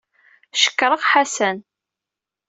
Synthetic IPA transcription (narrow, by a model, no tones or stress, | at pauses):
ʃə̥kːɾˤəʁħasæn